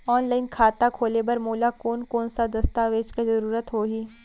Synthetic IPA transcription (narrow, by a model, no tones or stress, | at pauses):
ɔːnlaːɪnkʰaːt̪akʰoːlebɐɾmoːlakoːnkoːnsad̪ɐst̪aːʋeːt͡ʃkezɐɾuːɾət̪ɦoːɦiː